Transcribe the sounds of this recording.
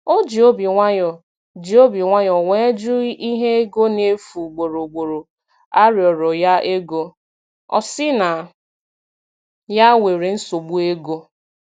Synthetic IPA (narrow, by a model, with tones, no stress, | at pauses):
o˦d͡ʒi˨o˦bi˨ŋʷa˦ɲɔ˨ | d͡ʒi˨o˦bi˨ŋʷa˦ɲɔ˨we˦e˦d͡ʒu˦i˦ɦe˦e˦ɡo˦ne˦fu˨ɡ͡bo˨ɾo˨ɡ͡bo˨ɾo˨ | a˦ɾjɔ˨ɾɔ˨ja˦e˦ɡo˦ | ɔ̰˨sɪ˦na˨ | ja˦wʷe˨ɾe˨n̩˦so˨ɡ͡bu˦e˦ɡo˦